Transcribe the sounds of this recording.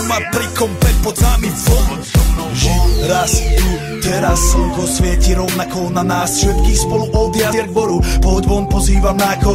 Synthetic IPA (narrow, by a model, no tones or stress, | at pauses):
mapɾikɔmpɛtpɔd̪zamisɔ | ʒɛɾasu | t̪ɛɾasukɔsvjɛciɾɔvnakɔnanaːsfʃɛt̪kiːxspɔluʔɔwd̪iazɛɾɡvɔɾupɔɦɔd̪bɔnpɔziːvamnaːkɔ